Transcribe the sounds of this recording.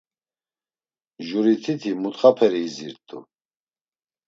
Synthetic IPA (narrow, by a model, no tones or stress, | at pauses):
ʒuɾit̪ʰit̪ʰimut̪χapʰɛɾiːziɾt̪ʼṵ